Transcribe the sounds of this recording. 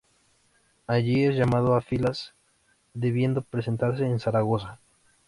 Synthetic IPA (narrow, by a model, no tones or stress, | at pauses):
aʝiezʝamað̞oafilas | d̪e̞βje̞nd̪o̞pɾes̬e̞nt̪aɾse̞ːnsaɾaɣo̞s̬a